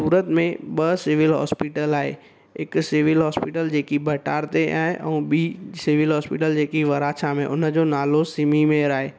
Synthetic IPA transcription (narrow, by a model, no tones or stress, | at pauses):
suːɾət̪mẽɓəsɪʋɪlɦɔ̰ːspɪʈəlaːɦḛ | ɪksɪʋɪlɦɔːspɪʈəld͡ʑeːkibʱɐʈaːɾt̪eʔaːeʔɛũbiːsɪʋɪlɦɔːspiʈəld͡ʑeːkiʋɐɾaːt͡ʃʰamẽʔʊnəd͡ʑonaːlosɪmimẽɾaːɦeː